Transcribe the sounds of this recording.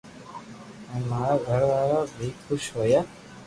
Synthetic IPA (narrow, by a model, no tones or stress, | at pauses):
ẽmaːɾaːɡʱəɾʋaːɾaːbʱiːkʰoʃɦoːjaː